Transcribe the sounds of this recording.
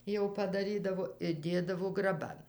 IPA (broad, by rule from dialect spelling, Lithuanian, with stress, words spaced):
jɛʊ pɐdɐˈrʲiːdɐʋoː ɪr ˈdʲeːdɐʋoː ɡrɐˈbɐn